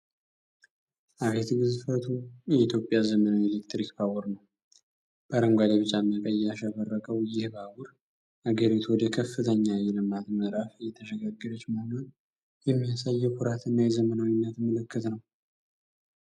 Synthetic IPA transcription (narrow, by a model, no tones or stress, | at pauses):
ʔaβet̪ɡɨzɨfət̪ʰujɛit̪ʰjo̞pʼjazəmənawelekt̪ɾikbawʊɾnəw | b̥əɾəŋɡʷad̪eβɨt͡ʃʼamːəkʼajaʃaβərːəkʼəwjɪhbawʊɾ | ʔaɡəɾit̪ʰuwɔd̪əkʰəfːɨt̪ʰəɲːajɛlɨmat̪məɾafjːɛt̪ʰəʃəɡaɡːɨɾət͡ʃːməhnon | jɛmːijasajːɛkʰuɾat̪ʰɨnːajɛzəmənawinːət̪mːələkːət̪nəw